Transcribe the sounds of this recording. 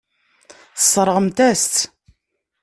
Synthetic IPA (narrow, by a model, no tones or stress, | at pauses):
θə̥sˤːɾˤəʁəmt̪æst̪